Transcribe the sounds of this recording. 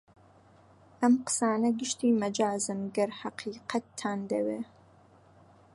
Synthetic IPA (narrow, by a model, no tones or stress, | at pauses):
ʔɐmqɨ̥saːnɐɡɨʃt̪iːmɐd͡ʒaːzɨnɡɐɾħɑqʰiːqɐt̪ʰːaːnd̪ɐweː